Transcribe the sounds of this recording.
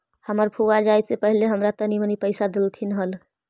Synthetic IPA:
həməɾpʰuad͡ʒajsepəɦileɦəmɾat̪ənimənipəjsad̪elt̪ʰinɦəl

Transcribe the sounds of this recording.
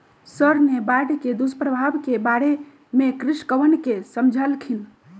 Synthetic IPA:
səɾnebaɽked̪uspɾəbʱabkebaɽe | mekɾiʃkəʋənkesəmd͡ʒʱəlkʰil

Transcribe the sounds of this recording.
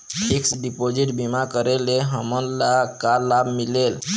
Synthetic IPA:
iksɖipod͡ʒiʈbimakəɾeleɦəmənlakalabmilel

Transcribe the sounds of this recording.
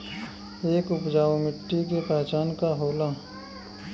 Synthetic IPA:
eːkʊpd͡ʒaːomɪʈːik̬epɛːt͡ʃaːnkaɦoːlaː

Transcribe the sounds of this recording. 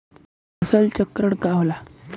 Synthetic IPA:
əsəlt͡ɕəkːɾəɳkaʋla

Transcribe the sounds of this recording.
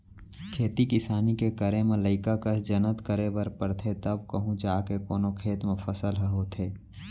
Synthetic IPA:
kʰeːt̪ikɪsaːnikekəɾemẽləɪkakɐd͡ʒɐnət̪kəɾebɐɾpəɾt̪ʰet̪ɐbkəɦũd͡ʒaːkekoːnokʰeːt̪mẽfəsəlɦəɦoːt̪ʰeː

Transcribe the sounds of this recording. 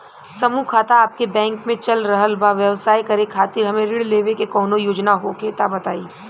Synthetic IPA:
sɐmukʰaːt̪aaːp̚kebɛ̃ːŋkmẽt͡ʃɐlɾɐɦəlbaʋjɐʋsaːjkɐɾekʰaːt̪ɪɾɦɐmẽɾɪɽleːʋekekɔːnojoːd͡ʒnaɦokʰeːt̪abɐt̪aːiː

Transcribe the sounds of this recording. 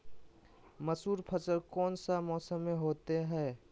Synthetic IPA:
məsuːɾpʰət͡ʃəɾkɔːnsamɔːsəmːeɦoːt̪eɦɛː

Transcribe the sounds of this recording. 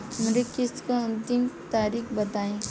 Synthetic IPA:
mɾekɪskoɐ̃nt̪ɪmt̪aːɾiːkbɐt̪aːẽː

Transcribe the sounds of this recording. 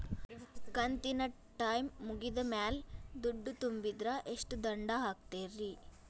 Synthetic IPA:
kɐnt̪inɐ | ʈajmːuɡid̪ɐmaːld̪uɖːut̪umbid̪ɾɐʔeʂʈud̪ɐɳɖaɦaːk̚t̪eːɾi

